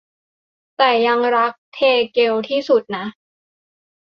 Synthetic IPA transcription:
t̪ɛː˨˩ja˧ŋɾa˦˥k̚t̪ʰeː˧ke˧wt̪ʰiː˥˩su˨˩t̪̚na˦˥

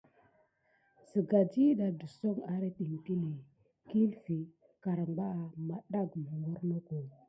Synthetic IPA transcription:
sə˨ɡa˨d͡ʒi˦da˨du˨so˦ŋa˨ɾe˦ti˨m˨ti˦li˨ | ki˦lfi˨ | ka˨ɾa˨ŋɡ͡ba˦a˨ma˨ɗa˦ɡmu˨ŋɡo˦ɾno˦ko˨

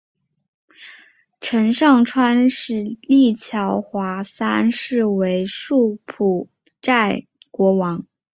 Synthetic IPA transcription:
ʈ͡ʂʰə˧˥nʂɑ˥˩ŋʈ͡ʂʰwa˥nʂɻ̩˥˧li˥˩t͡ɕʰjɑ˧˥ʊxwa˧˥sa˥nʂɻ̩˥˩we˧˥ɪʂu˥˩pʰu˨˩ | ʈ͡ʂa˥˩ɪ | kwɔ˧˥wɑ˧˥ŋ

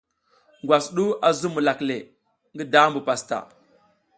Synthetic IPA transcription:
ŋɡwa˨sɗu˦a˨zu˦mu˨la˨kle˨ | ŋɡi˦da˦mbu˨pa˨sta̰˨

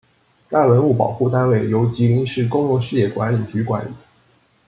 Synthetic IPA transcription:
t̪a˥˩wə˧˥nu˥˩pɑ˨˩ʊxu˥˩t̪a˥nwe˥˩ɪjo˧˥ʊt͡ɕi˧˥li˧˥ŋʂɻ̩˥˩kʊ˥ŋlɔ˧ʂɻ̩˥˧jɛ˥˩kwa˧˥nli˨˩t͡ɕy˧˥kwa˧˥nli˨˦

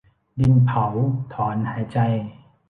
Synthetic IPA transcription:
di˧npʰa˩˦wt̪ʰɔː˩˦nhaː˩˦jt͡ɕa˧j

